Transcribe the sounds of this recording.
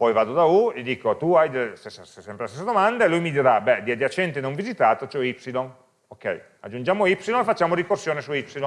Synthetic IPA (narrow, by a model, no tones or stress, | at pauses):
pɔjvaːd̪od̪aulid̪iːkot̪uajd̪elest̪esːasɛsːɛmpɾelast̪esːad̪omand̪aelujmid̪iɾabɛd̪iad̪jat͡ʃɛnt̪enoɱvizit̪aːt̪ot͡ʃɛipsilon | okɛ̰j | a̰d͡ʒːund͡ʒaːmoipsilonefat͡ʃːaːmoɾikorsjoːnesuipsilo